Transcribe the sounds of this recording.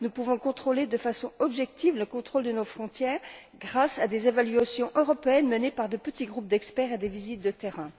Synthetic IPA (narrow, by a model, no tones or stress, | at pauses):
nupuvɔ̃kɔ̃t̪χoled̪əfasɔ̃ɔbʒɛk̚t̪ivləkɔ̃t̪χold̪ənofχɔ̃t̪jɛːʁ | ɡʁasad̪ezevalɥasjɔ̃ʔøʁɔpeɛnmənepaʁd̪əpət̪iɡʁup̚d̪ɛkspɛʁed̪evizit̪̚d̪ət̪eʁɛ̃